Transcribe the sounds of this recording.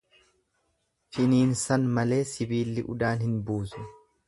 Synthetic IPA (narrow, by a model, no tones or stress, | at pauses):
fɪniːnsɐnmɐle̞ːsɪbiːlːɪʔʊ̰d̪aːnhɪnbuːsʊ̥